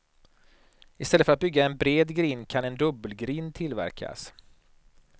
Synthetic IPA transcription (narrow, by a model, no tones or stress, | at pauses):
ɪst̪ɛlːəfœɾat̪̚bʏɡːaɛnbɾeːd̪ɡɾiːnkʰanɛnd̪ɵbːəlɡɾiːnt̪ʰɪlvæ̰ɾkʰa̰s